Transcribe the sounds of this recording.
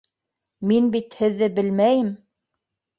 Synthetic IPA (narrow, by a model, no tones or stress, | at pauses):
minbit̪hɘ̆ðːɘbɘ̆lmæjɘm